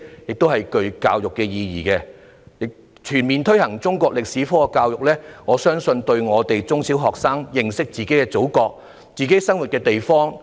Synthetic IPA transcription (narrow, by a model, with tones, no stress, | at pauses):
jɪ˨k̚t̪o˥whɐ˨jkɵ˧ɥka̰ː˧wjʊ˨kːɛː˧jiː˧jiː˨˩kɛː˧ | jɪ˨k̚ | t͡ʃʰyː˨˩nmiː˨nt̪ʰɵ˥ɥhɐ˨˩ŋt͡sʊ˥ŋkʷɔː˧k̚lɪ˨k̚siː˨˥fɔː˥˧kaː˧wjʊ˨k̚lɛː˥ŋɔː˨˧sœː˥ŋsɵ˧nt̪ɵ˧ɥŋɔː˨˧t̪e˨jt͡sʊ˥ŋsi˨˥wɦɔː˨k̚saː˥ŋjɪ˨ŋsɪ˥k̚t͡siː˨ke˨˥jkɛː˧t͡so˨˥wkɔː˧k̚ | t͡siː˨ke˨˥jsɐ˥ŋwu˨t̚kɛː˧t̪e˨jfɔː˥ŋ